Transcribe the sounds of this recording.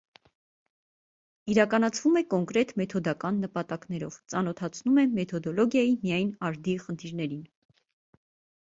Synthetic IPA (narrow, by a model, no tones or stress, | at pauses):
iɾɑkɑnɑt͡sʰvumɛkɔŋkɾɛt̪mɛt̪ʰɔd̪ɑkɑnːəpɑt̪ɑknɛɾɔ̰v̥t͡sɑnɔt̪ʰɑt͡sʰnumɛmɛt̪ʰɔd̪ɔlɔɡjɑjimijɑjnɑɾd̪iχənt̪ʰiɾnɛɾin